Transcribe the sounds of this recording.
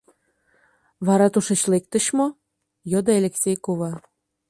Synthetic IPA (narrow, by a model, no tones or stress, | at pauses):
βɑɾɑt̪uʃet͡ɕlek̚t̪ə̆ɕmo | jod̪ɤelʲeksʲejkoβɑ